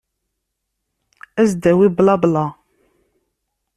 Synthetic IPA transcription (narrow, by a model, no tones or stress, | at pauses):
æzd̪æwiblɑblɑ